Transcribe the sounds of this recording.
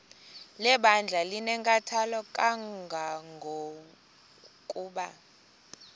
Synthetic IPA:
lɛɓand͡ɮʱalinɛŋkʼatʰalɔkʼaɡʱaŋɡʱo | kʼuːɓa

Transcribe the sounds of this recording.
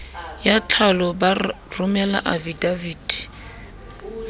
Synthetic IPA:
jat͡ɬʰalɔba | rʊmɛla̰ʔavidaviːdi

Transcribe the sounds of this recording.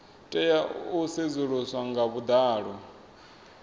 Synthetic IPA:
tʼɛjaused͡zuɺuswaŋɡaβud̪aːɺɔ

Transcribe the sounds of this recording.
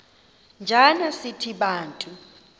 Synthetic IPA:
nd͡ʒʱanasitʰiɓaːntʼu

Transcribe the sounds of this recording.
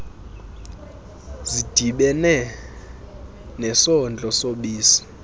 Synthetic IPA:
zid̥ʱiɓɛnɛ | nɛsɔnd͡ɮʱʼɔsoɓiːsi̥

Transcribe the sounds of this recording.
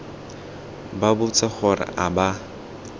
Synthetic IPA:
babʊt͡sʼɛχɔra̰ʔaba

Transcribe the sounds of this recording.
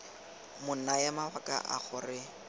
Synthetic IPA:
mʊn̩naɛmabakʼa̰ʔa̰χʊrɪ

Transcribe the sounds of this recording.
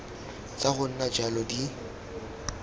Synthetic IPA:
t͡saɣʊn̩nad͡ʒalɔdi

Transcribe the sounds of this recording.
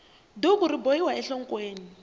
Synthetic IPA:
dokuɾiboiwaɛɬɔŋ̩kweːni

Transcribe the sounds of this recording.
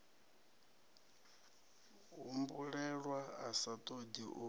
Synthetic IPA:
ɦumbuɺɛɺwaasatʼodiʔu

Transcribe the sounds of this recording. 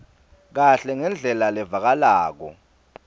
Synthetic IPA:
k̬aɬɛŋɛnd͡ɮʱɛlalɛvak̬alaːk̬ɔ̰

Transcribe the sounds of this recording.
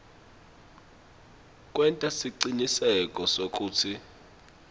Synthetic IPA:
k̬ʼwɛntʼasiǀinisɛkʼɔsok̬ʼuːtʰi

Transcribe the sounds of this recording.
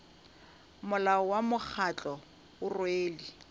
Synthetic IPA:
mʊlaɔwamʊk͡xʰat͡ɬɔ | ʊrweːli

